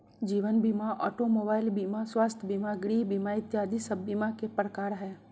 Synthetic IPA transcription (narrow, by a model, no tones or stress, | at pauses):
d͡ʒiːʋənbimaʔɔːʈomoːbaːɪlbiːmaswaːst̪ʰəbiːmaɡɽiːbiːmaɪt̪jaːd̪isəbːiːmakepɾəkaːɾɦɛː